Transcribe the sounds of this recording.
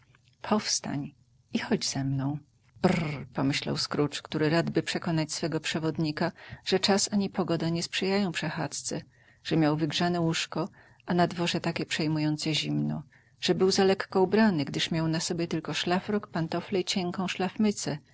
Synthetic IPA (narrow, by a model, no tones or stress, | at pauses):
pʰɔfst̪a̰ɲ | ixɔd͡ʑz̥ɛmnɔ̃w̃ | bpɔmɘɕla̰wskɾut͡ʂkt̪uɾɘɾad̪bɘpʂɛkɔnat͡ɕsfɛɡɔpʂɛvɔd̪ɲikaʐ̥ɛt͡ʂasaɲipɔɡɔd̪aɲɛspʂɛjajɔ̃w̃pʂɛxat̪t̪sɛ | ʐ̥ɛmʲjawvɘɡʐanɛwuʂkɔ | ʔanad̪vɔʐɛt̪akʲɛpʂɛjmujɔnt̪sɛʑimnɔ̰ | ʐ̥ɛbɘwzalɛkːɔubɾanɘɡd̪ɘʂmʲjawnasɔbʲjɛt̪ɘlkɔʂlafɾɔkpant̪ɔflɛit͡ɕɛŋkɔ̃w̃ʂlafmɘt̪sɛ